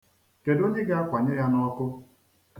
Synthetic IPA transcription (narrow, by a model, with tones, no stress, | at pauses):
ke˨do˦ɲe˦ɡa˦a˦kʷa˨ɲe˦ja˦nɔ˦kʊ˦